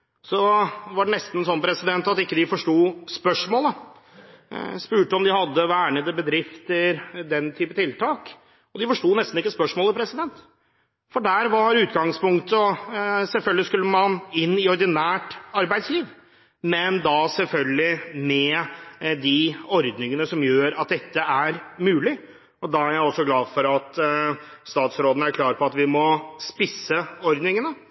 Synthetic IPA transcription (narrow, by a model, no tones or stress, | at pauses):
sɔʋɑɖɛnɛst̪n̩ɛsɔnːəpʰɾɛsɪd̪ɛnt̪ɑt̪ɪkːəd̪ɪfɔʂʈuːspœʂmoːlə | spʉːʈəɔmd̪ɪhɑd̪ːəʋæːɳəd̪əbəd̪ɾɪft̪əɾd̪ɛnt̪ʰyːpət̪ʰɪlt̪ʰɑːk | ɔd̪ɪfɔʂʈuːnɛst̪n̩ɪkːəspœʂmoːləpʰɾɛsɪd̪ɛnt̪ | fɔɖæːɾʋɑɾʉːt̪ɡɑŋspʊŋkt̪əɔsɛlfœlɡ̪lɪskʉlːəmɑnɪnːɪɔɾd̪ɪnæːʈɑɾbæɪd̪sliːʋ | mɛnd̪ɑsɛlfœlɡlɪmɛ | d̪ɪɔɾd̪nɪŋənəsɔmjøːɾɑt̪̚d̪ɛt̪ʰːəæɾmʉːlɪ | ɔd̪ɑæɾjæɪɔsːɔɡlɑːd̪fɔɾɑt̪ | st̪ɑːt̪sɾoːd̪ənəæɾkʰlɑːɾpʰɔɑt̪ʋɪmɔspɪsːəɔɾd̪nɪŋənə